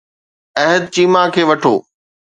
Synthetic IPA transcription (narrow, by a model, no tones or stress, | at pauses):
ɛɦəd̪̚t͡ɕiːmakʰeːʋɐʈʰo̰ː